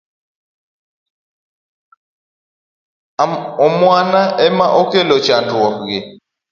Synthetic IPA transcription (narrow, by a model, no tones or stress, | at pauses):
ɔmwanaʔɛmaʔɔkʼɛlɔt͡ʃandwɔɣɛ